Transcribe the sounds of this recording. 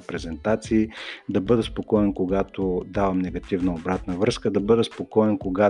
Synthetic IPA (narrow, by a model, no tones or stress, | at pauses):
pɾɛzɛnt̪at̪siːd̪ɐbɤd̪ɛspokɔɛnkoɡat̪od̪avɐmnɛɡɐt̪ivnɐobɾat̪nəvɾɤskəd̪ɐbɤd̪ɛspokɔɛnkoɡa